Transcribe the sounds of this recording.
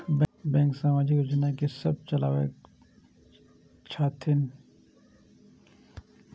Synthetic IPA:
bbɛ̃ːŋksaːmaːd͡ʒikɾʊd͡ʒnakesɐb̚t͡ʃɐla̰ːwḛ | t͡ʃʰaːt̪ʰɪn

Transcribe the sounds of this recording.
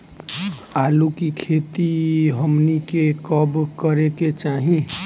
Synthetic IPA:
aːlukikʰeːt̪iɦəmnikekəbkəɾeket͡ʃaːɦĩ

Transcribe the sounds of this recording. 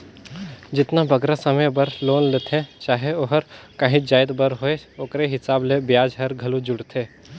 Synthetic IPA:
d͡ʒɪt̪nabɐɡɾasɐməjbəɾloːnlet̪ʰẽt͡ʃaːɦeoɦəɾkəɦĩd͡ʒaːɪd̪bəɾɦoeoːkɾeɦɪsaːblebɪjaːd͡ʒɦɐɾɡʱɐlud͡ʒʊɽt̪ʰẽː

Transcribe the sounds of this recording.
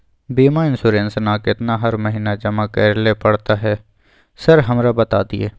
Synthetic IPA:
biːmaɪnsʊːɾẽːnsnaːkɪt̪naɦɐɾməɦiːnad͡ʒɐmakɛːɾlepɐɽt̪aɦɛː | səɾɦɐmɾabɐt̪aːd̪ɪḛː

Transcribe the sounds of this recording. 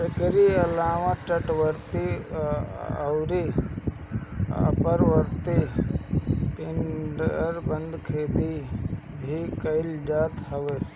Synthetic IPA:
ekɾiɐlaːʋãt͡ʃɐʈʋəɾt̪i | ɐ̰wɾi | ə̰pəɾʋəɾt̪i | pɪnɖɾbɐnd̪kʰeːd̪i | bʱikɐɪld͡ʒaːt̪ɦɐʋe

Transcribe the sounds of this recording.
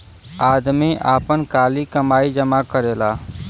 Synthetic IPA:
aːd̪miʔaːpənkaːlikəmaːid͡ʒəmakəɾeːlaː

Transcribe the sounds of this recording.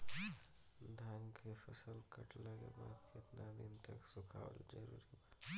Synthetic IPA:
d̪ʱaŋɡkʰepʰəsəlkəʈʰləɡḛbakʰet̪nad̪int̪əksukʰa̰ʋə̰ld͡ʒəɾuɾiba

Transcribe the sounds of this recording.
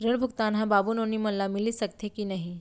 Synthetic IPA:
ɾəɳ̃bʱukt̪anɦãbabuːnoniːm̤ənlamiliːsək̚t̪ʰekiːnaɦi

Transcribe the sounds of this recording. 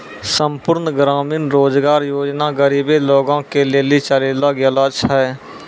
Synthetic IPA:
sə̃mpʊɾnɡɾaːmiːnɾoːd͡ʒɡaːɾjoːd͡ʒnaɡəɾiːbeloːɡãkeleːlit͡ʃəleːlaɡjəlat͡ʃʰɦɛː

